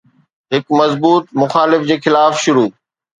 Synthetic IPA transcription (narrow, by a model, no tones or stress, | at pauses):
ɦɪkmɐzbuːt̪̚mʊxaːlɪfd͡ʑeːxɪlaːfʃʊɾuː